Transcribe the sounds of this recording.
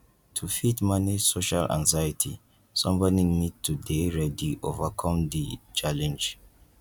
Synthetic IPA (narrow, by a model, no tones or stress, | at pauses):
tʰufitmanisoʃalʔã̰ŋzajatʰḭ | sɔ̃mbɔninid̚tʰudeɹɛdiʔo̰vakʰɔ̃md̪it͡ʃalɛ̃nd͡ʒ